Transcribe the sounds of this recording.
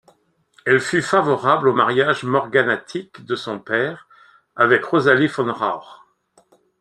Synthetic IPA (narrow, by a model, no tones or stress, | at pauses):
ɛlfyfavɔʁablomaʁjaʒmɔʁɡanat̪ʰikd̪əsɔ̃pɛːʁ | avɛkʁozalifɔnʁa̰ʁ